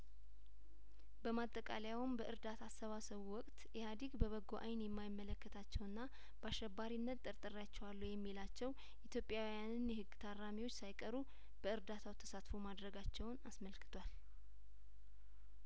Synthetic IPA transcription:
bəmat̪ʼːəkʼa̰ləjawmbəʔɨɾd̪at̪ʰasːəβasəβuwɔkʼt̪jɛhad̪iɡbəβəɡːoʔajnjɛmːajɪmːələkːət̪ʰat͡ʃːɛwɨnːa | baʃːɛbːaɾinːət̪t̪ʼːəɾt̪ʼɨrjat͡ʃːɛwalːujɛmːilat͡ʃːɛw | it̪ʰjo̞pʼːjawijanɨnjɛhɨɡːt̪ʰaramiwo̞t͡ʃːsajkʼəɾu | b̥əɨɾd̪at̪ʰawt̪ʰə̥sat̪fomad̪ɾəɡat͡ʃːɛwnasməlkʰɨ̥t̪ʰwal

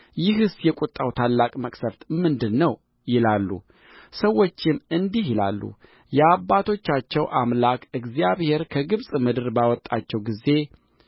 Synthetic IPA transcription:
jɪɦɨsjɛkʼut̪ʼːawt̪ʰalːakʼməkʼsəɾt̪mɨnd̪ɨnːəw | jɪlalːṵ | səwːo̞t͡ʃːɪmɨnd̪iɦjɪla̰lːṵ | jɛabːat̪ʰo̞t͡ʃːat͡ʃːɛwʔamlakʰɨɡzjaβhe̞ɾkʰəɡɨβsʼmɨd̪ɨɾbawɔt̪ʼːat͡ʃːɛwɡize̞

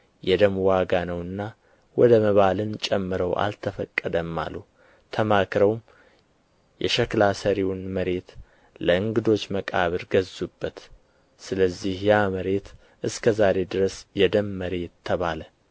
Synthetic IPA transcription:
jɛd̪əmwaɡanəwɨnːa | wɔd̪əməβalɨnt͡ʃʼɛmːɨɾəwa̰lt̪ʰəfəkʼːəd̪əmːa̰lu | t̪ʰəmakʰɾəwm | jɛʃɛklasəɾiwnməɾe̞t̪ | ləɨŋɡɨd̪o̞t͡ʃːməkʼaβɨɾɡəzubːət̪ | sɨləzːihjaməɾe̞t̪ | ʔɨskʰəzaɾe̞d̪ɨɾəsjɛd̪əmːəɾe̞t̪ʰːəβalə

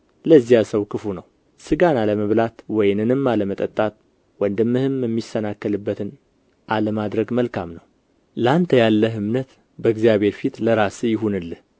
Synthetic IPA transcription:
ləzːijasəwkɨfunəw | sɨɡanaləməβlat̪wɔjɪnɨnɨmːaləmət̪ʼət̪ʼːat̪̚ | wənd̪əmːɨhɨmjɛmːisənakːəlɨbːət̪ʰɨn | ʔaləmad̪ɾəɡməlkʰamnəw | ləant̪ʰəjalːəɦɨmnət̪ | bəɡzijaβe̞ɾfit̪ləɾasɨjɪɦunɨlːɨh

